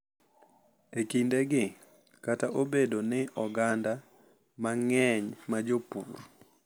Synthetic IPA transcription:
ekindeɡɪ | kataʔobedonɪʔɔɡanda | maŋɛɲmad͡ʒopṵr

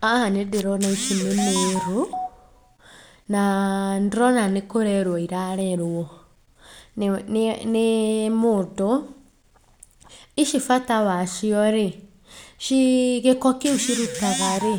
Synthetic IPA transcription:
ahanedeɾɔnaiʃimeneɾu | nandɾɔnanekoɾɛɾwɔiɾaɾɛɾɔ | nemoto | iʃifatawaʃiɔɾe | ʃiɣekɔkiuʃiɾutaɣaɾe

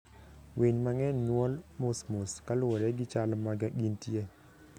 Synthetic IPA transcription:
wʔeɲmaŋɛnːwɔlmosmoskalwɔɾɛɡɪt͡ʃalmaɡaɡintje

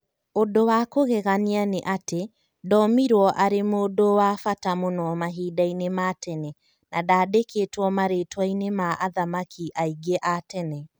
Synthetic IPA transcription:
odowakoɣɛɣanianeʔate | dɔmiɾwɔʔaɾemoːdowafatamonɔmaɦiːdainematɛnɛ | nadaːdeketwɔmaɾetwainemaʔaðamakʰiʔaiɡeʔatɛnɛ

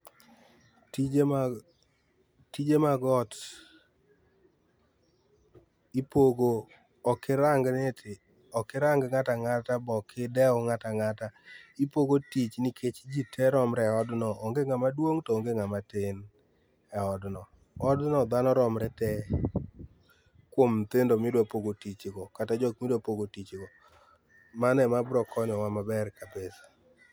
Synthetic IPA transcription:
ti | tid͡ʒemaɡɔt | ipoɡoː | kɪɾaŋɡnɛtɪ | ɔkɪɾaŋɡŋataŋatabɔkʰɪdɛɔŋataŋataipoɡotit͡ʃnikʰet͡ʃd͡ʒitʰɛɾɔmɾɛɔdnɔʔoŋɡeŋamadwoŋtɔoŋɡeŋamatɪn | ɛɔdnɔ | ɔdnɔd̪anɔɾɔmɾɛtɛ | kwomt̪endomɪdwapoɡotit͡ʃɡɔkatad͡ʒɔk̚mɪdwapoɡotit͡ʃɡɔ | manɛmabɾɔkʰɔnɔwamabɛrkabesḁ

